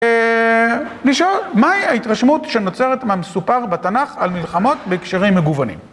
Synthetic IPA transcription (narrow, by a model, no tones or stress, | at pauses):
liʃolmaiaitʁaʃmutʃeno̞t͡seʁetmeamesupaʁbatanaχalmilχamo̞tbekʃeʁimːeɡuvanḭm